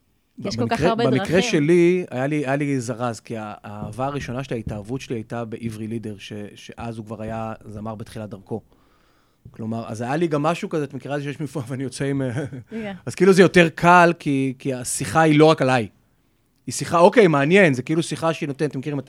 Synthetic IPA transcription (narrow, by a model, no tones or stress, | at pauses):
bbikʁebamikʁeʃe̞lia̰jaliajalizaʁazkiaaːvaːʁiʃo̞naʃelaitaːvutʃe̞liajtabe̞ʔivʁilide̞ʁʃe̞ʃe̞ʔazukvaʁajazamaʁbetχilat̚d̪aʁko̞ | klo̞maʁa̰zajaliɡamːaʃukazeat̪mkiʁalzeiʃejeʃmifoaveanijo̞t͡seim | azkeiːluzejo̞teʁkʰalkʰikiasiχailo̞ʁakalaj | isiχaokejmaːnje̞nzekeilusiχaʃeinot̪ent̪emekiʁimet